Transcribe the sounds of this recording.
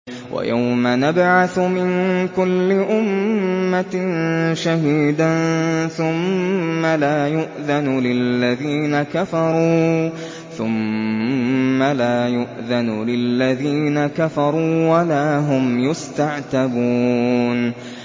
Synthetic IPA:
wʔa̰ja̰wmanabʕaθmɪnkʊlːɪʔʊmːanʃaɦiːd̪anθʊmːalaːjʊʔðanʊlɪlːaðiːnakafɑɾˤuː | θʊm | alaːjʊʔðanulɪlːaðiːnakafɑɾˤuːwalaːɦʊmjʊst̪aʕt̪abuːn

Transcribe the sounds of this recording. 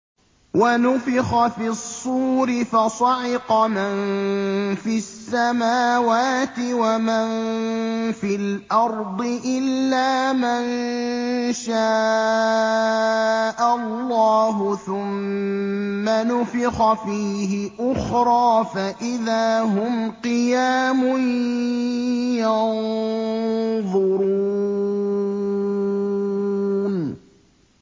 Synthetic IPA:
wanʊfɪxɑfisˤːuːɾɪfɑsˤɑʕɪqɑman | fisːamaːwaːt̪ɪwaman | fɪlʔɑɾˤd̪ˤɨʔɪlːaːman | ʃaː | ʔallːɑːɦʊθʊmː | anʊfɪxɑfiːɦɪʔʊxɾˤɑːfaʔɪðaːɦʊmqɨjaːmʊn | jɑn | ðˤʊɾu | n

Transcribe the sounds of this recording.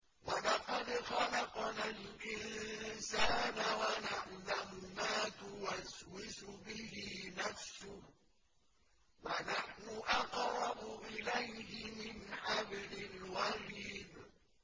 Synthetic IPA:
wanaqalɪxalaqɑnalʔɪnsaːnawanaʔlamʊmaːt̪ʊwaswɪsʊbɪɦɪnafsʊh | wanaħnʊʔaqɾˤɑbʊʔɪlajɦɪmɪnħablɪlwaɾiːd

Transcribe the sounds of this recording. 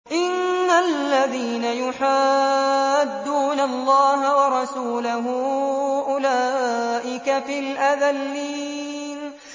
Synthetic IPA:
ʔɪnːallːaðiːnajʊħaː | d̪ːuːnalˤːɑːɦawɑɾˤɑsuːlaɦʊʔʊlaːʔɪkafilʔaðalːiːn

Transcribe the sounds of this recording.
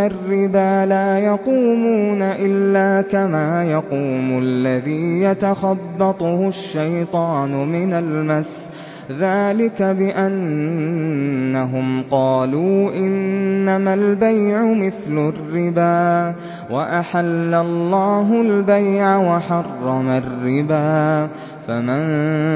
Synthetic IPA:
arːɪbaːlaːjɑquːmuːnaʔɪlːaːkamaːjɑquːmʊlːaðiːjat̪axɑbːɑt̪ˤʊhʊʃːajt̪ˤɑːnʊmɪnalmas | ðaːlɪkabɪʔan | aɦʊmqɑːluːʔɪnːamalbajʕʊmɪθlʊrːɪbaː | waʔaħalːalˤːɑːɦʊlbajʕawaħɑrˤːɑmarːɪbaː | famɪn

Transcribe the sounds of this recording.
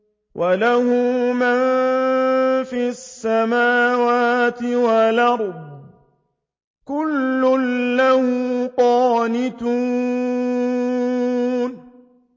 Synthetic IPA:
wʔalahʊman | fiːasːamaːwaːt̪ɪwalɑɾˤb | kʊlːʊnlahʊːqɑːnɪt̪uː | n

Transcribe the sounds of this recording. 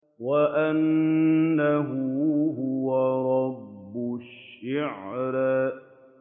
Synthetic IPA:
waʔanː | aɦʊɦʊwaɾˤɑbːʊʃʃːɪʕɾ

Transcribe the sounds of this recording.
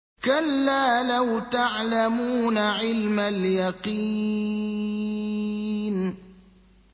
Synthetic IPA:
kalːaːlawt̪aʕlamuːnaʕɪlmaljɑqi | n

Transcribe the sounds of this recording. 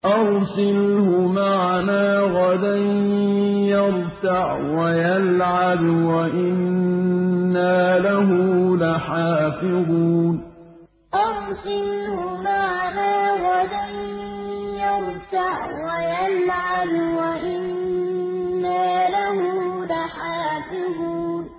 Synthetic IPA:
ʔɑɾsɪlhʊmaʕalaːɣad̪an | jɑɾ | t̪aʕ | wajalʕabwaʔɪnː | aːlaɦʊlaħaːfɪðˤuːn | ʔamsɪnhʊmaʕnaːɣad̪an | jɑɾt̪aʕwajalʕabwaʔɪnː | aːlahʊlaħaːfɪðˤuːn

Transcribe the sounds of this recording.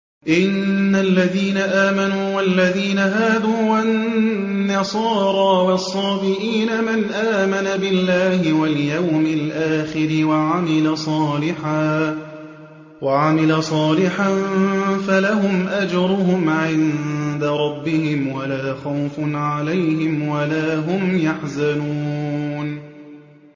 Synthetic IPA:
ʔɪnːalːaðiːnaʔaːmanuːwalːaðiːnaɦaːd̪uːwanː | ɑsˤɑːɾˤɑːwɑsˤːɑːbɪɾiːnamanʔaːmanabɪlːaːhɪwaljawmɪlʔaːxɪɾɪwaʕamɪlasˤɑːlɪħaː | waʕamɪlasˤɑːlɪħanfalaɦʊmʔad͡ʒɑɾˤʊɦʊmʕɪnd̪aɾˤɑbːɪhɪmwalaːxawfʊʕalajɦɪmwalaːɦʊmjaħzanuːn

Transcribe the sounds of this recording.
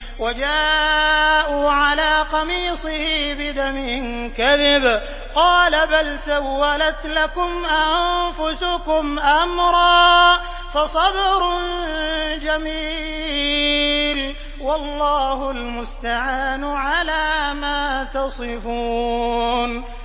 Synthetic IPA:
wad͡ʒaː | ʔuːʕalaːqɑmiːsˤɨhibɪd̪amɪnkaðɪb | qɑːlabalsawːalat̪lakʊmʔannfʊsʊkʊmʔamɾˤɑː | fɑsˤɑbɾnd͡ʒamiː | l | wɑlˤːɑːhʊlmʊst̪aʕaːnʕalaːmaːt̪ɑsˤɨfuː | n

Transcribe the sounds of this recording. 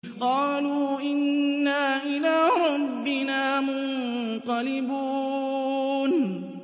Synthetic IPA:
qɑːluːʔɪnːaːʔɪlaːɾˤɑbbːɪnaːmʊnqɑlɪbuː | n

